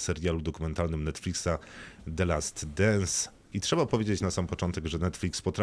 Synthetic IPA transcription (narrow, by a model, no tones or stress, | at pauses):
sɛɾʲjalud̪ɔkumɛnt̪alnɘmnɛt̪fʲlʲiksad̪ɛlast̪d̪ɛns | itʂɛbapɔvʲjed͡ʑet͡ɕnasampɔt͡ʂɔnt̪ɛɡʐɛnɛt̪fʲlʲikspɔt̪ɾa